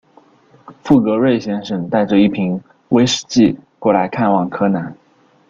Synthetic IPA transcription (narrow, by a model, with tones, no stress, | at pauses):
fu˥˩kɤ˧˥ɻe˥˩ɪɕjɛ˥nʂɤ˨˩ŋt̪a˥˧ɪʈ͡ʂɤ˧i˥˩pʰi˧˥ŋ | we˥ɪʂɻ̩̥˨˥˩t͡ɕi˥˩kwɔ˥˩la˧˥ɪkʰa˥˧nwɑ˥˩ŋkʰɤ˥na˧˥n